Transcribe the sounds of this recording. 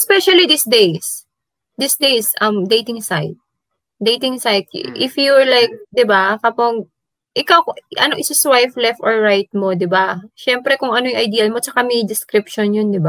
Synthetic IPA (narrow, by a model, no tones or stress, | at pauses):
spɛʃɐlid̪isd̪ejs | d̪ɪsd̪ejsʔɐmd̪ejt̪ɪŋsajt̪̚ | d̪ejt̪ɪŋsajt̪̚ʔɪfjuɹlajk̚d̪ɪbakɐpaɡ | ʔɪkawkʔɐ̰noʔɪsɐswajflɛft̪ʔoɹɹajt̪̚mo̞d̪ɪbaʃɛmpɾɛkʊŋɐnojʊŋʔɐjd̪iːɐlmot͡ʃɐkamɛjd̪ɪskɾɪp̚ʃonjond̪ɪba